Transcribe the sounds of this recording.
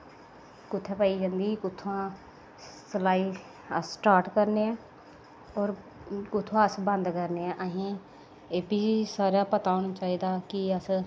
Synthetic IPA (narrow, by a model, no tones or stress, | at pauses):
kʊt̪ʰːẽːpaːiːd͡ʒə̃nd̪iːkʊt̪ʰːãː | səlaːiː | əsʈaːɾʈkəɾneːɛ̃ː | ɔːɾ | kʊt̪ʰːõəsbənd̪kəɾneːɛ̃ːʔəɦĩː | eːpiːsaːɾjaːpət̪aːoːnaːt͡ʃaːiːd̪aːkɪəs